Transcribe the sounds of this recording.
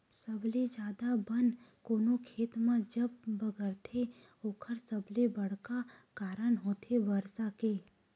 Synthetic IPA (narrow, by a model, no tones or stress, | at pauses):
səbled͡ʒjaːd̪abənkoːnokʰeːt̪mãd͡ʒəbːəɡəɾt̪ʰe | oːkʰəɾsəblebəɽ̤kakaːɾəɳɦoːt̪ʰebəɾsakeː